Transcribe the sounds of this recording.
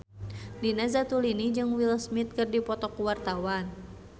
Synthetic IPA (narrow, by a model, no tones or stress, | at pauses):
dinazat̪ulinid͡ʒɨŋwilsmit̪̚kɨrdipɔt̪ɔkuwart̪awan